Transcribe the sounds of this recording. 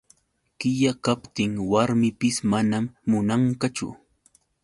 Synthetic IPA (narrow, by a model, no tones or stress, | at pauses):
kɪʎakapt̪ɪŋwaɾmɪpɪsmanamːʊnaŋkat͡ʃʊ̰